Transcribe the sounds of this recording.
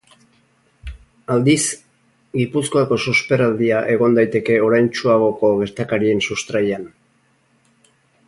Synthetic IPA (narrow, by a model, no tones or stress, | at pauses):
ald̪is | ɡipusko̞ako̞suspe̞ɾald̪iaʔe̞ɣ̞o̞nd̪ajt̪e̞ke̞o̞ɾajnt͡ʃuaɣo̞ko̞ɣe̞ɾt̪akaɾie̞nsust̪ɾajan